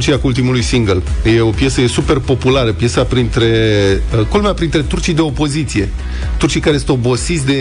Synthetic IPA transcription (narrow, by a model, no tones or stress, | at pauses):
t͡ʃijakult̪̬imulujsiŋɡəlje̞o̞pje̞səje̞supe̞rpo̞pulaɾəpje̞sapɾint̪ɾe̞ | kolmeapɾint̪ɾe̞t̪urt͡ʃijd̪e̞o̞po̞zit̪sije̞ | t̪urt͡ʃijkaɾe̞sɨnt̪o̞bo̞sit̪sʲd̪e